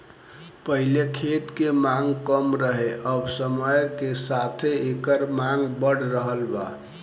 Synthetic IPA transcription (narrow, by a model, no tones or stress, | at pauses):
pəɦilekʰet̪kemaŋɡkəmɾəɦeʔəbsəməjkesat̪ʰeekəɾmaŋɡbəɽɾəɦəlba̰